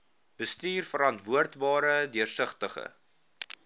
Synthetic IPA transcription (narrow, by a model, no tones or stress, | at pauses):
b̥əstyːrfəɾɐntvuərtbɑːɾədiərsəχtəχə̰